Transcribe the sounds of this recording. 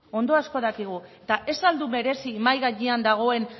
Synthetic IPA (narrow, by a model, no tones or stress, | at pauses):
o̞nd̪o̞asko̞ðakiɣ̞ue̞t̪aʔe̞sald̪ume̞ɾe̞simajɣaʎiand̪aɣ̞o̞e̞n